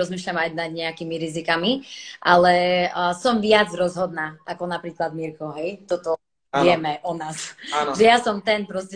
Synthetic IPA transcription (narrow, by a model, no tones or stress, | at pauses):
ɔzmiːʃlamajnad̪ɲɛakimiɾizikamiʔalɛsɔmʋɪad͡zɾɔzɦɔd̪naːʔakɔnapɾiːklad̪miɾkɔɦɛjt̪ɔt̪ɔ | ɪɛmɛʔɔnaːsaʒɛjasɔmt̪ɛnpɾɔscɛ